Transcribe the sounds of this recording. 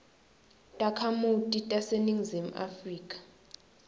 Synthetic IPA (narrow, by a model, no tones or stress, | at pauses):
tʼakʰamutʼitʼaseniŋzem̩ʔa̰friːkʼḁ